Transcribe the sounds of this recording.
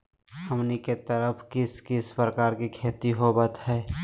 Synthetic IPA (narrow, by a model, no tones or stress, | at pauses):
həmniket̪əɾəpʰkiskɪspɾəkaːɾkikʰeːt̪iɦobət̪ɦɛː